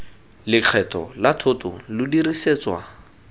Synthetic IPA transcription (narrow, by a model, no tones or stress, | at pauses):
lɪq͡χʰɛtʰɔ̰latʰʊtʊ̰lʊdiriseːt͡swa